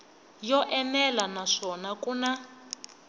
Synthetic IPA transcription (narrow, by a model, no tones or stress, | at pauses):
jɔʔɛmɛlanaʂɔnakuna